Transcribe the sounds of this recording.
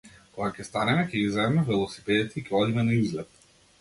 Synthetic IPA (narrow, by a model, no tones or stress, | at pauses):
kɔɡakʲɛst̪anɛmɛkʲɛɡizɛmɛvɛlˠɔsi̥pɛd̪it̪ɛicʲɛɔd̪imɛnaizlɛt̪̚